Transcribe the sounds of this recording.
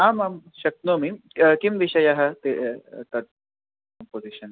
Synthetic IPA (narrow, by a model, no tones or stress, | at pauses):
aːmamʃɐk̚t̪nomikimʋiʃɐjaɦɐt̪et̪ɐt̪̚ | kɐmpoziʃɐn